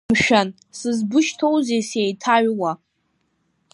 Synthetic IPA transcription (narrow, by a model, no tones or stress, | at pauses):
mʃᶣan | sɨzbʊʃtʰo̞wzejsejtʰaɥwa